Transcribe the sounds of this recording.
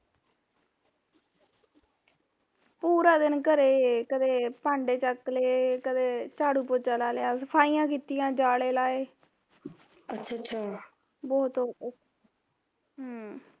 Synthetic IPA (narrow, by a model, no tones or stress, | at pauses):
puːɾãːd̪ɪnkəɾeːkəd̪eːpãːɳɖeːt͡ʃəkːleːkəd̪eːt͡ʃaːɽuːpod͡ʒaːlaːleaːsəpʰaːiːãːkiːt̪ijãːd͡ʒaːɽeːlaːeː | ətːʃʰaːtːʃʰaː | bɔːt̪o